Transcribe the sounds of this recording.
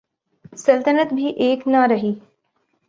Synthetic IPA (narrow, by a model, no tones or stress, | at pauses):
səlt̪ənət̪bʱiʔeːknaɾɐɦiː